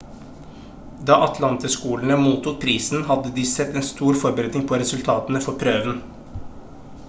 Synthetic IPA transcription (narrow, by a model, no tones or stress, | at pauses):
d̪ɑːʔɑt̪ʰlɑnt̪əskuːlɳəmuːt̪ʊːt̪̚pʰɾiːsn̩hɑd̪əd̪iːsɛt̪ːeːnst̪uːɾfɔɾbəɾɛt̪nɪŋpʰoːɾɛsʉlt̪ʰɑːt̪ənəfɔɾpʰɾøːʋən̩